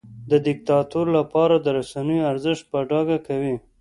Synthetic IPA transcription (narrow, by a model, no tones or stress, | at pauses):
d̪əd̪ɪk̚t̪ɑt̪uɾlapɑɾad̪əɾasanəjoaɾzɪʃt̪̚pəɖɑɡakawi